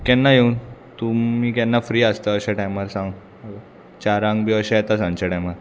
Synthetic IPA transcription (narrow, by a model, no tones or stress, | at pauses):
kɛnːajeunt̪umiːkɛnːafɾiːast̪əːɕaʈajmaɾsãŋɡ | t͡ɕaɾãŋɡbʱiəɕajɛt̪asãŋt͡ɕaʈajmaɾ